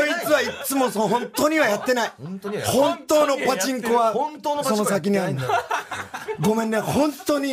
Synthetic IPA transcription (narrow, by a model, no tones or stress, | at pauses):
oit͡sɨβait͡sɨmo̞soɦõ̞nt̪o̞ːɲ̟iβajat̪ːe̞naihõ̞nt̪o̞ːno̞pat͡ɕĩŋkoβasso̞no̞sak̬ʲiɲ̟iaɾɯ̃nd̪a | ɡo̞mẽ̞nd̪ẽhõ̞nt̪o̞ːɲ̟i